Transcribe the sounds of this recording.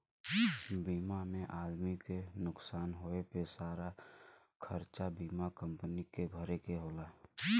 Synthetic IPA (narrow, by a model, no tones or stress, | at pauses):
biːmamẽʔaːd̪mikenʊksaːnɦoepesaːɾa | kʰəɾt͡ʃabiːmakə̃mpənikebʱəɾekeɦoːlaː